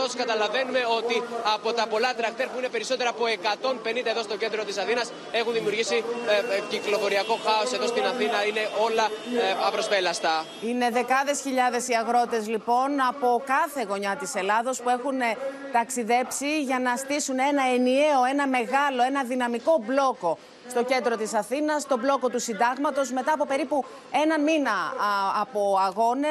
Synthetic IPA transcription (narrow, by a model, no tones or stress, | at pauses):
oskɐt̪ɐlɐve̞nume̞o̞t̪iɐpo̞t̪ɐpo̞lɐt̪ɾɐkt̪eɾpuine̞pe̞ɾiso̞t̪e̞ɾɐːpo̞e̞kɐt̪o̞mpe̞nind̪ɐeðo̞st̪oce̞nd̪ɾo̞t̪isɐθinɐs | e̞xunðimiuɾʝisiciklo̞fo̞ɾiɐko̞xɐo̞se̞ðo̞st̪inɐθinɐine̞ʔo̞lɐɐpɾo̞spelɐst̪ɐ | ine̞ðe̞kɐðe̞sçiʎɐðe̞siɐɣɾo̞t̪e̞zlipo̞nɐpo̞kɐθe̞ɣo̞ɲɐt̪ise̞lɐðo̞spue̞xune | t̪ɐksiðe̞psiʝɐnɐst̪isune̞nɐe̞nie̞o̞e̞nɐme̞ɣɐloenɐðinɐmiko̞blo̞ko̞ | st̪o̞ce̞nd̪ɾo̞t̪isɐθinɐst̪o̞blo̞ko̞t̪usind̪ɐɣmɐt̪o̞zme̞t̪ɐːpo̞pe̞ɾipu | e̞nɐnminɐː | po̞ɐɣo̞ne